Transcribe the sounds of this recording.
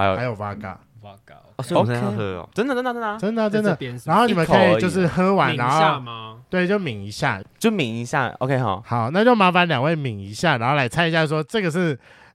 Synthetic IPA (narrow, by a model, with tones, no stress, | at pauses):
a˧˦jo˨˩wa˦ka̰˨˩ | a˦ka˧˨˥ʈ͡ʂə˥nd̪ə˨˩ə˥nd̪ə˧t͡sə˥nd̪ə˨ʈ͡ʂə˦nd̪ə˨ʈ͡ʂə˥d̪ə˨˧a˧˦nxo˥˩ni˨˩ə˨˦ə˦˥˦i˨˩jo˥˧ʊʂ̬ɻ̩˥˨hɤ˦wa˧˦nɻa˧˦no˥˧ʊ˥˨t̪we˥˩ɪt͡ɕjo˥˩ʊmi˨˥ŋi˧˥ɕja̰˥˩t͡ɕjo˥˩˦mi˨˩ŋi˧˥ɕja̰˥˩ʔo̰˧kʰe˦˥xa˨˩ʊha˨˩˦ʊna˥˧t͡ɕjo˥˩ʊma˧˥fa˦nlja˨˩ŋwe˥˩ɪmi˨˦ŋi˧˥ɕja˥˩ɻa˨˧˥nxo˥˩la˧˥ɪt͡sʰa˥˦ni˧ɕja˥˧˩ʂwɔ˦˥ʈ͡ʂɤ˥˩ɡə˩ʂ̬ɻ̩˥˩